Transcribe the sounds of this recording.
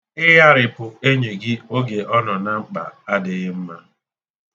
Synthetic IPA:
ɪ˦ɦa˦ɾɪ˨pʊ˨e˦ɲe˨ɡɪ˦o˦ɡe˨ʔɔ˦nɔ˨na˦ŋ͡m̩˦k͡pa̰˨a˦dɪ˨ɣɪ˦m̩˦ma˦

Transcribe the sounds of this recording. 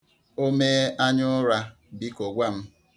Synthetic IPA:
o˦me˦a˦ɲʊ˦ɾa˦ | bi˦ko˨ɡʷa˦m̩˦

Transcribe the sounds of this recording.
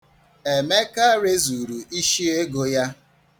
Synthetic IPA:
e˨me˦ka˦ɾe˦zu˨ɾu˨i˦ʃi˦e˦ɡo˦ja˦

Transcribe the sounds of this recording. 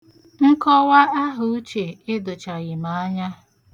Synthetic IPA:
ŋ̩˦kɔ˦wa˦a˦ɦʊ˨u˦t͡ʃe˨ɪ˦dʊ˨t͡ʃa˨ɣɪ˨ma˨a˦ɲa˦

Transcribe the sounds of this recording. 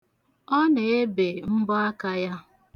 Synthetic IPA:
ɔ˦ne˨e˦be˨m̩˦bʊ˦a˦ka˦ja˦

